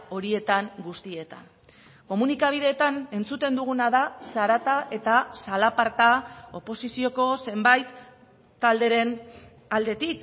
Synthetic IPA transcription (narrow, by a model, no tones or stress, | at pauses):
o̞ɾie̞t̪aŋɡust̪ie̞t̪a̰n | ko̞munikaβ̞ið̞e̞ːt̪ane̞nt͡sut̪e̞nd̪uɣ̞unaðasaɾat̪aʔe̞t̪asalapaɾt̪ao̞po̞sisio̞ko̞se̞mbajt̪ː | ald̪e̞ɾe̞n | ald̪e̞t̪ik